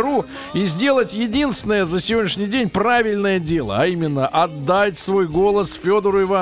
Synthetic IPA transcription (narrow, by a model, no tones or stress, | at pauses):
ɾu | izʲdʲe̞lˠətʲjɪdʲinst̪ʲvʲɪnəjəzəsʲɪvʲodʲnʲɪʂnʲɪjdʲenʲpravʲɪlʲnəjədʲe̞lˠə̰ɐimʲɪnːəʔɐd̪ːatʲsvo̞jɡo̞lˠəsfʲo̞d̪əɾʊɪva